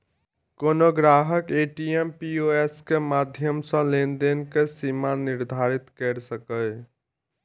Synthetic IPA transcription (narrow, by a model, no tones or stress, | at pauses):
konoɡɾaɦəkeʈiempioeskemad̪ʱjəmsə̃lend̪enkesimaniɾd̪ʱaɾit̪kɛɾsəkəj